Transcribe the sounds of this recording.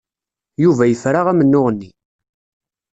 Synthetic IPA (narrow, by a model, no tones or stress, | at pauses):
juvæjəfɾaʁæmənːʊʁənːi